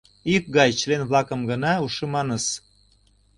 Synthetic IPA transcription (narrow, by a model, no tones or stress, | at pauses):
ik̚ɡɑjt͡ɕəlenβlɑkəmɡənɑuʃemɑnəs